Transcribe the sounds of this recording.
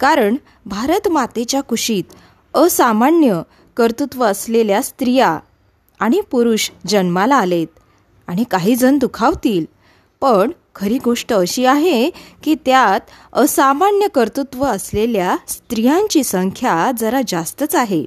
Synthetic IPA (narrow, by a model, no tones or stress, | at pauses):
kaɾəɳ | bʱaɾət̪mat̪et͡ɕjakuʂiːt̪ | əsamaɳjə | kəɾt̪ut̪ʋəːsleljast̪ɾija | aɽ̃ipuɾuɕd͡ʑənmalaːlet̪ | aɽ̃ikaɦiːd͡zənd̪ukʰaʋt̪iːl | pəɳ | kʰəɾiːɡoʂʈəːɕiːaɦekiːt̪jat̪əsamaɳjəkəɾt̪ut̪ʋəəsleljast̪ɾijãɲt͡ɕiːsəŋkʰjad͡zəɾad͡zast̪ət͡saɦe